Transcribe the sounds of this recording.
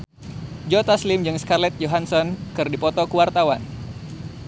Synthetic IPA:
d͡ʒɔt̪aslɪmd͡ʒɨŋskarlɛt̪̚d͡ʒoɦansɔnkɨrdipɔt̪ɔkuwart̪awan

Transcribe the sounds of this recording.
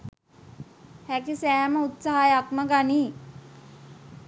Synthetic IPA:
hækisæːməut̪saɦajakməɡaniː

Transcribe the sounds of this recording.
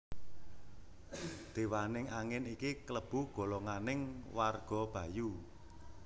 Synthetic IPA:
d̪̥e̤wanɪŋaŋɪnikikələb̥ṳɡ̥ɔ̤lɔŋanɪŋwarɡ̥ɔ̤b̥ä̤ju

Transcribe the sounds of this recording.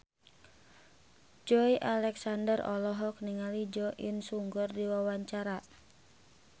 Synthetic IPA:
d͡ʒɔiʔalɛksandərɔ̰lɔɦɔk̚niŋalid͡ʒɔʔənsuŋɡɔrdiwawaɲt͡ʃaɾa

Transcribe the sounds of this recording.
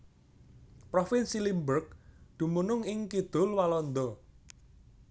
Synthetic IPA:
pɾɔfɪnsilimbərk̚d̪̥ṳmunʊŋɪŋkid̪̥ʊ̤lwalɔnd̪ɔ

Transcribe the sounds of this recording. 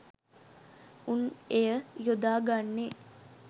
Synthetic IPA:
unejəjud̪aːɡanːe

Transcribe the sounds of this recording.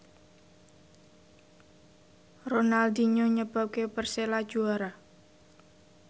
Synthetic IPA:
ronald̪iɲoɲəb̥a̤p̚kepərselad̥ʒ̥uaɾa

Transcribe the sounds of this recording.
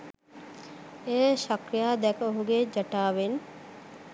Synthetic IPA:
ejəʃakɾijaːd̪ɛkəoɦuɡed͡ʒɐʈaːʋen

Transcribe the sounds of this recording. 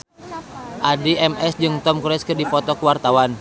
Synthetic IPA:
ʔadiɛmɛsd͡ʒɨŋt̪ɔmkuɾɛskɨrdipɔt̪ɔkuwart̪awan

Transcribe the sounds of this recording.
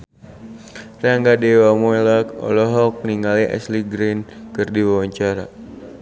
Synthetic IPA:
raŋɡadewamɔilakɔ̰lɔɦɔk̚niŋaliʔɛ̰sliɡɾinkɨrdiwawaɲt͡ʃaɾa

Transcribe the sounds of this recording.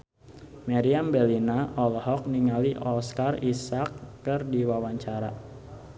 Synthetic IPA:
maɾiambelinaʔɔlɔɦɔk̚niŋaliʔɔskarisakːərdiwawaɲt͡ʃaɾa̰

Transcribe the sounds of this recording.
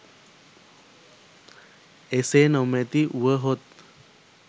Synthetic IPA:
esenəwmẽt̪iʔuʋəɦot̪̚

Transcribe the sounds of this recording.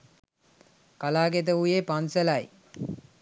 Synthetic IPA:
kalaːɡet̪̬əujepanselaj

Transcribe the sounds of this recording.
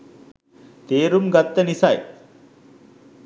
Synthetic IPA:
t̪eːɾumɡat̪ːənisɐj

